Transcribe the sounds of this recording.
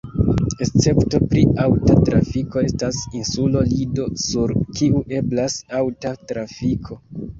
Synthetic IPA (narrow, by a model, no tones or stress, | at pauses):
e̞st͡se̞pto̞pɾiawtatɾa̰fiko̞e̞stasinsulo̞lido̞suɾkʰiuʔe̞blasawtatɾafikʰo̞